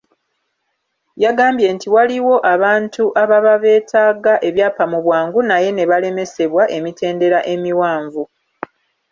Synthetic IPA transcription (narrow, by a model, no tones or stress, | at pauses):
jaɡaːmbje̞ntiwaliwo̞ʔaβaːntuʔaβaβaβe̞ːtʰaːɡaʔe̞βjaːpamuβwaːŋɡunaje̞ne̞βale̞me̞se̞βwaʔe̞mite̞ːnde̞ɾaʔe̞miwaːɱvu